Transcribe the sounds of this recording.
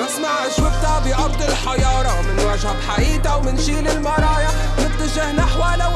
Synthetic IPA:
ʔɑsˤnɑʕɪʃwɪb̚t̪abɪʔɑɾˤd̪ˤɪlħajɑːɾˤɑwmɪnwaʒhabħaʔiːt̪awmɪnʃiːlɪlmɑɾˤɑːja | nɪft̪aʒɪhnaħawaːla

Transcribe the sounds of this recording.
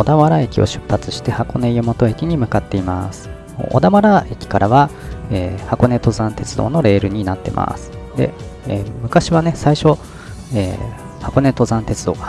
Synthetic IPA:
od̪aβaɾae̞kʲio̞̰ɕɨ̥pːat͡sɨ̥ɕi̥t̪e̞hako̞ne̞jomo̞t̪o̞e̞kʲiɲ̟imɯ̟kat̪ːe̞ima̰sɨ̥ | o̰o̰d̪aβaɾae̞kʲi̥kaɾaβaeːhako̞ne̞t̪o̞zãnt̪e̞t͡sɨd̪o̞̰ːno̞ɾe̞ːɾɯ̟ɲ̟inat̪ːe̞̰mʔa̰sɨ̥d̪e̞̰ | eːmɯ̟kaɕiβane̞saiɕo̞ | ḛː | hako̞ne̞t̪o̞zãnt̪e̞t͡sɨd̪o̞ːɡa

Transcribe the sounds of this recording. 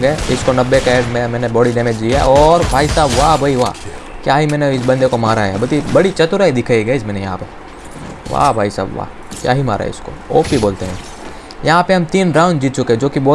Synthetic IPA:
ɡɛɪskonɐbːekɛʈmẽmɛ̃ːnebɔːɽiɖɛːmeːd͡ʒd̪ijaɔːɾbʱaːisaːbʋaːbʱɐiʋaː | kjaːɦimɛ̃ːneɪs̬bɐ̃nd̪ekomaːɾaɦɛ̰bɐt̪ibɐɽit͡ʃɐt̪ʊɾaːid̪ɪkʰaːiɡɐɪsmɛːnẽjɐɦãpe | ʋa̰ːbʱaːisa̰ːbʋa̰ | kja̰ːɦima̰ːɾa̰ɦɛ̰ɪ̰sko̰o̰ːpiboːlt̪eɦɛ̃ː | jɐɦãpeɦɐmt̪iːnɾãːʊ̃nd͡ʒd͡ʒiːt̪̚t͡ʃʊkeɦɛ̃d͡ʒoːkiboː

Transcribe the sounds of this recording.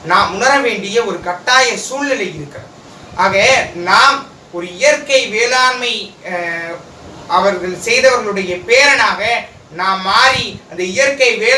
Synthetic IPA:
naːmʊnɐɾɐʋeːɳɖɪjɐɔɾɯkɐʈːaːjɐsuːɭɪlɐɪɪɾɯkːɐ | ʔaːɣɐnaːm | ɔɾɯɪjɐɾkɐɪʋeːlaːɾmɐɪ | ʔɐʋɐɾɣɐɭsɛjðɐʋɐɾɣɐɭɯɽɐjɐpeːɾɐnaːɣɐ | naːmːaːɾiɐnd̪ɐɪjɐɾkɐɪʋeː

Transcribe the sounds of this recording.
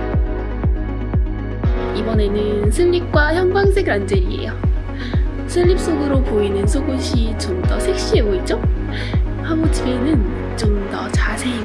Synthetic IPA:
ibʌne̞nɯnsʰɯʎːip̚k͈waçjʌŋbaŋsʰeɡɾand͡ʑeɾiḛjo | sʰɯʎːip̚s͈oɡɯɾopoinɯnsʰoɡoɕʰit͡ɕʌmdʌsʰek̚ɕ͈iɦeɡoit̚t͡ɕ͈o | haɡot͡ɕibenɯn | t͡ɕomdʌt͡ɕasʰei

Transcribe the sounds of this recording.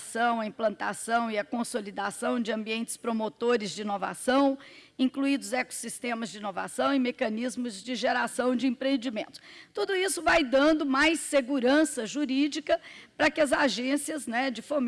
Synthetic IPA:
sɐ̃w̃ɐĩplɐ̃nt̪a̰sɐ̃w̃ɪɐkõsolid̪asɐ̃w̃d͡ʒɪɐ̃mbiẽnt͡ʃɪ̥spɾomot̪oɾɪzd͡ʒɪinova̰sɐ̃w̃ĩkluid̪ʊzɛko̥sist̪ẽmɐzd͡ʒɪinova̰sɐ̃w̃ɪ̃mekɐnizmʊzd͡ʒɪʒeɾasɐ̃w̃d͡ʒɪĩpɾẽnd͡ʒimẽnt̪ʊ̥st̪ud̪ʊisʊvajd̪ɐ̃nd̪ʊmajseɡuɾɐ̃sɐʒuɾid͡ʒikɐpɾɐkɪɐzaʒẽsiɐznɛd͡ʒɪfom

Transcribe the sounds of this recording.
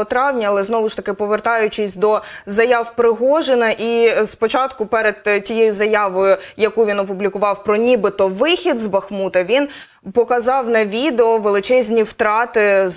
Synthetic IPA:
ɔt̪ɾɑwnʲɐɐlˠɛznɔʋʊʃt̪ɐkɪpɔʋert̪ɑjʊt͡ʃɪsʲd̪ɔzɐjɑwpɾɪɦɔʒenɐʔispɔt͡ʃɑt̪kʊpɛɾed̪̥tʲijejʊzɐjɑʋɔjʊjɐkuʋʲinɔpʊblʲikʊʋɑwpɾɔnʲibɪt̪ɔʋɪxʲid̪zbɐxmut̪ɐʋʲin | pɔkɐzɑwnɐʋʲid̪eɔʋelˠɪt͡ʃɛzʲnʲiwt̪ɾɑt̪ɪ

